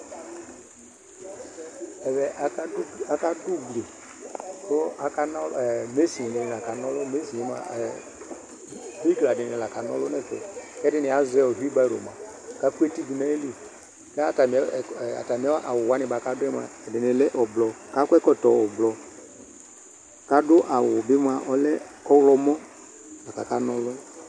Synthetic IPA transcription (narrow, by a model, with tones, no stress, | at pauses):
ɛ˨bɛ˨ʔa˨a˦a˨ka˦du˦ɡle˨ | ko˦a˨ka˦nɔ˦˨ɛ˨me˦si˨dɪ˨nɪ˨la˨ka˨nɔ˦lʊ˦me˦si˨i˦ma̰˨ | vi˦ɡla˨dɪ˨nɪ˨la˨ka˨nɔ̰˦lʊ˦nɛ˦˨kɛ̰˨kɛ˦dɪ˦nɪ˨a˨zɛ˦ɔ˨ɾi˦ba˦˨ɾo̰˨ma˨ | ka˦ku˦e˦ti˦di˨na˦e˦li˨ | ka˦a˨ta˨m˨˦˨a̰˨ta˨mi˨˦ɛ˦ʔa˨wʊ˨wa˨˦nɪ̃˨ba˨ka˨˦dʊ˦ɛ˦m˨a̰˨ɛ˨dɪ˨nɪ˨lɛ˦ʔɔ˨blɔ˨ka˦kʷɛ˦kɔ˦˨tɔ˨ɔ˨blɔ˨ | ka˦dʊ˦ʔa˨wʊ˨bɪ˦m˦a˨ʔɔ˦lɛ˦kɔ˦lɔ˦mɔ˦ | na˨ka˨ka˦nɔ˦lʊ˦ɛ˦